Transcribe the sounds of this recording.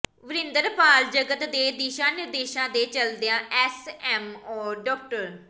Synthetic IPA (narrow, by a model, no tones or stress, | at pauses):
ʋəɾɪ̃nd̪əɾpaːld͡ʒəɡət̪d̪eːd̪iːʃãːnɪɾd̪eːʃãːd̪eːt͡ʃəld̪eãːʔɛːsɛːmɔːɖɔːk̚ʈəɾ